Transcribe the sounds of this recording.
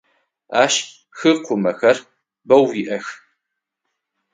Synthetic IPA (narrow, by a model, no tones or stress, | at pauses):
aːʃ | xɨqʷʊmɐxɐr | bɐwiːʔɐx